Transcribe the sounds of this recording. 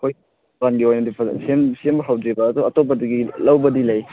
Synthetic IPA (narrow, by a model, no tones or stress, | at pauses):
kʰoj | anɡiojnɐdipʰɐsemsembɐɦɐwdɾibɐːduɐtop̬ɐdɐɡilɐwbɐdilɐj